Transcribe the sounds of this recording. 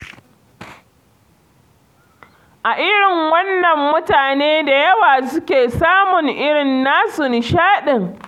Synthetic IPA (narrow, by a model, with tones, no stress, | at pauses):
ʔa˨ʔɪ˦ɽɪ˨ŋwɐ˦nːɐ˨mːʊ˦taː˨neː˦da˨jɐ˦waː˨sʊ˦kʲeː˨saː˦mʊ˨ŋʔɪ˦ɽɪ˨nːaː˦sʊ˨n˨ʃaː˦ɗɪ˨ŋ